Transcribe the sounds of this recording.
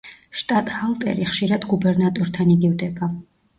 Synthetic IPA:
ʃt̪ʼat̪ʼhalˠt̪ʼɛ̰ɾiχʃiɾad̪ɡubɛɾnat̪ʼɔɾt̪ʰaniɡivd̪ɛba

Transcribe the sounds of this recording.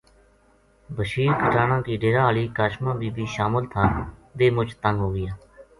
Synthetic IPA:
bəʃiːɾkəʈaːnãːkiːɖeːɾaːəɭiːkaːʃmãːbiːbiːʃaːməlt̪ʰaːʋeːmʊt͡ʃt̪əŋɡɦoːɡɪjaː

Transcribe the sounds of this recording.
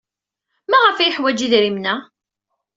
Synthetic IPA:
mæʁəfæjəħwæd͡ʒiðɾimnæ

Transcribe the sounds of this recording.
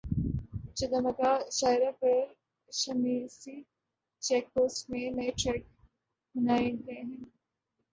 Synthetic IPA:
t͡ʃɐd̪ɐmɐkaʃaːɪɾapɐɾ | ʃɐmiːsi | t͡ʃɛːk̚ːoːsmẽnɐeʈɾɛːk̚ | bɐnaːeɡɐeɦɛ̃ː

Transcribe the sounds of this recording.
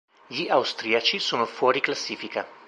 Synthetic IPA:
jiʔawst̪ɾijat͡ʃisunfoɾiklasifika

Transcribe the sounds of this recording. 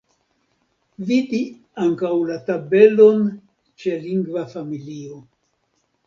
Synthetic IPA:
vidi | aŋkawlatabe̞lo̞n | t͡ʃe̞liŋɡvafamilio̞

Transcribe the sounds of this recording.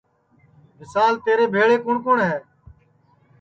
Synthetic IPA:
mɪsaːlt̪eːɾeːbʱeːɭeːkʊɳkʊːɳɦɛː

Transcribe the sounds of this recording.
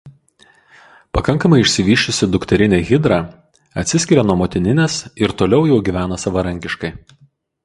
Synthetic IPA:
pɐkɐŋˑkɐmɐɪɪʃʲsʲɪʋʲiːʃʲʊsʲɪd̪ʊkt̪ʲɛɾʲɪnʲeːɣʲɪd̪ɾɑː | ɐt̪ʲsʲɪsʲkʲɪɾʲɛnuɔmoːt̪ʲɪnʲɪnʲesɪɾt̪oːlʲɛʊjɛʊɡʲiːʋʲæːnɐsɐʋɐɾɐŋʲkʲɪʃkɐɪ

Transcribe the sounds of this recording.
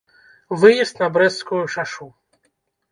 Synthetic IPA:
vɨjɛst̪nabɾɛskɔjuʂaʂu

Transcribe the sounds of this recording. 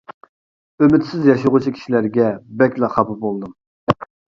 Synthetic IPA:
ømɪt̪sɪzjɑʃuʁut͡ʃʰikʲʰi̥ʃilæɾɡʲɛbɛkʲlˠɑχɑpɨbolˠɨd̪ɨm

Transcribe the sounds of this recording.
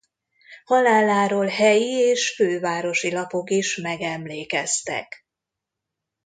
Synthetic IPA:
hɒlaːlaːɾoːlɦɛjieːʃføːvaːɾo̞ʃilɒpo̞kiʃmɛɡɛmleːkɛst̪ɛ̰k

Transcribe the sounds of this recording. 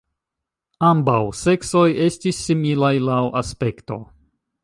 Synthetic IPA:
ambawse̞kso̞je̞stisːimilajlawaspe̞kto̞̰

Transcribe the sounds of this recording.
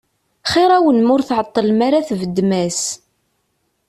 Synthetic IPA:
χɪɾˤawənmʊɾθʕət̪ˤːəlmaɾaθvəd̪ːmæs

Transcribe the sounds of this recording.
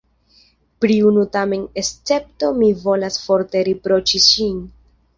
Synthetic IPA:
pɾiunutame̞ne̞st͡se̞p̚to̞mivo̞lasfo̞ɾte̞ɾipɾo̞t͡ʃiʃin

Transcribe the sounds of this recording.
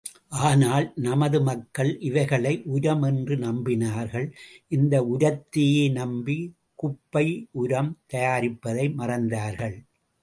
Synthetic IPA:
ʔaːnaːlnɐmɐðɯmɐkːɐɭʔɪʋɐɪɣɐɭɐɪʔʊɾɐmɛndrɯnɐmbɪnaːɾɣɐɭʔɪnd̪ɐʊɾɐt̪ːɪjeːnɐmbi | kʊpːɐɪʊɾɐmt̪ɐjaːɾɪpːɐðɐɪmɐrɐnd̪aːɾɣɐɭ

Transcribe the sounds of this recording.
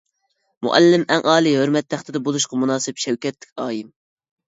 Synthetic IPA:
mṵʔɛ̰lːɪmɛŋʔɑːlˠiɦøɾmɛt̪ʰːæχt̪ɪd̪ɛbolˠuʃqɑmunɑːsɪpʃɛwkʲɛt̪lːɪ̥kʲɑːjim

